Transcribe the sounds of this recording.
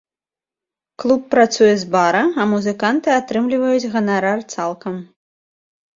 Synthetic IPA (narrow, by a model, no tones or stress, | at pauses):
klˠupːɾat̪sujɛzbaɾɐɐmuzɨkant̪ɨat̪ɾɨmlʲivɐjud͡zʲɣɐnaɾart̪salˠkɐm